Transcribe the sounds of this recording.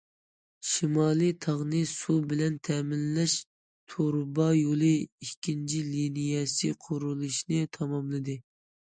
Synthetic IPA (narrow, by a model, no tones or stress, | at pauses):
ʃimɑːlˠɨt̪ʰɑʁnɨsubɪlɛnt̪ʰɛmɪlːɛʃ | t̪ʰoɾbɑjolˠɨikʲʰːint͡ʃʰilinijɛsɨqʰoɾulˠɨʃnɨt̪ʰɑmɑmlˠɨd̪ɨ